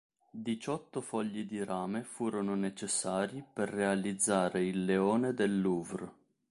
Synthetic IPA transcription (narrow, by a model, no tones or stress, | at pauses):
d̪it͡ʃɔt̪ːʊfɔʎːid̪iɾaːmefuːɾonʊnet͡ʃesːaːɾiperːealid̪zːaːɾeilːeɔːned̪elːuːvr